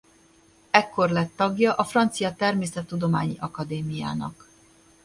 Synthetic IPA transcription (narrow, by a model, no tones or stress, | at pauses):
ɛkːo̞rlɛt̪ːɒɡjɒʔɒfrɒnt̪sijɒt̪ɛrmeːsɛt̪ːud̪o̞maːɲiʔɒkɒd̪eːmija̰ːnɒ̰k